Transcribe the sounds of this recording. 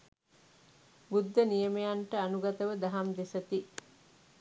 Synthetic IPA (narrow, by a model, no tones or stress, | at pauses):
bud̪ːənijəmejanʈəɐnuɡɐt̪əʋəd̪ɐɦɐmd̪esɐt̪i